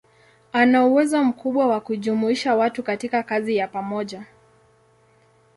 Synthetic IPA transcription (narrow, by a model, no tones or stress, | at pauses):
anauwɛzɔm̩kuɓwawakuʄumuiʃawatukatikakazijapamɔʄa